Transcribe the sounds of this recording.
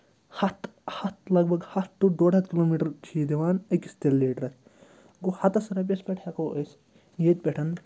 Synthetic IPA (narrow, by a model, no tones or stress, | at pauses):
hɐt̪hɐt̪lɐɡ̚bʱɐɡhɐt̪t̪ːuɖ̪oːɽɐt̪kiloːmiːʈɐɾt͡ʃʰiːd̪iʋaːnɐkist̪elːiːʈɾɐt̪ʲʰ | ɡohɐt̪ɐsɐɾɐp̬ʲɐspʲeʈʰɐkoːɐs | jeːt̪̚pʲeʈʰɐn